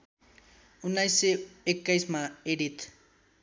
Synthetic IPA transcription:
unːajsːeekːajsmãeɽit̪

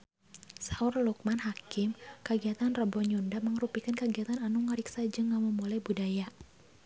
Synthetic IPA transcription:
saurluk̚manɦakɪmkəɡiat̪anrəbɔɲundaməŋɾupikankəɡiat̪ananuŋəɾiksad͡ʒɨŋːaməmulajbudaja

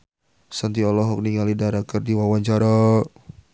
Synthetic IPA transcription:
sant̪iɔlɔɦɔk̚niŋalidaɾakərdiwawaɲt͡ʃaɾa

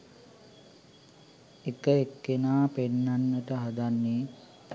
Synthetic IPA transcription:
ekəekːenaːpenːanːəʈəɦad̪anːeː

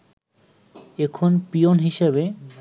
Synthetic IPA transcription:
ekʰonpionɦiʃebe

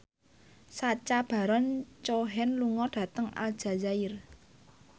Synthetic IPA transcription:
sat͡ʃab̥a̤ɾɔnt͡ʃoɦɛnluŋɔɖ̥ä̤t̪əŋa̰ld̥ʒ̥a̤zaɪr

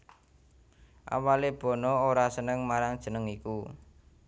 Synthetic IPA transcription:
ʔa̰waleb̥ɔ̤nɔoɾasənəŋmaɾaŋd̥ʒ̥ə̤nəŋiku

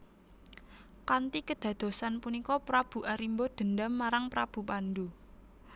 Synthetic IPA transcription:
kant̪ikəd̪̥ä̤d̪̥o̤sanpunikɔpɾab̥ṳʔaɾimbod̪̥ə̤nd̪amːaɾaŋpɾab̥ṳpand̪u

